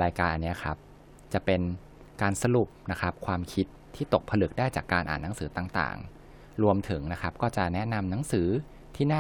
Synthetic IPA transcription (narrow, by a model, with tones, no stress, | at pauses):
ɾaː˧jkaː˧nʔa˧nːi˦˥ɐ˩kʰa˦˥p̚ | t͡ɕa˨˩pe˧n | kaː˧nsa˧ɾu˨˩p̚na˦˥kʰa˦˥p̚kʰwaː˧mkʰi˦˥t̪ʰːiː˥˩t̪o˨˩k̚pʰa˧lɯ˨˩k̚daː˥˩jt͡ɕaː˨˩kːaː˧nʔa̰ː˨˩nːa˩˦ŋsɯː˩˦t̪aː˨˩ŋt̪a̰ː˨˩ŋ | ɾu˧əmt̪ʰɯ˩˦ŋna˦˥kʰa˦˥p̚kɔː˥˩t͡ɕa˨˩nɛ˦˥na˧mna˩˦ŋsɯː˩˦ | t̪ʰiː˥˩naː˥˩